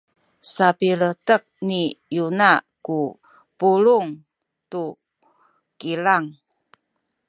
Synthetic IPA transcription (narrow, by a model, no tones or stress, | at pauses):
sapilətək̚nijunaku | puluŋ | t̪u | kilaŋ